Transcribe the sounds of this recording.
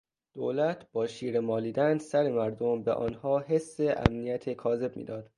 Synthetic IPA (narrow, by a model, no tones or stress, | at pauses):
d̪̥oːlæt̪ʰb̥ɒːʃiːɾemɒːliːd̪ænsæɾe̞mæɾd̪ombeʔɒ̰ːnhɒːɦe̞sːe̞ʔæ̰mnijæt̪ʰekʰɒːze̞b̚mḭːd̪ɒːd̪̥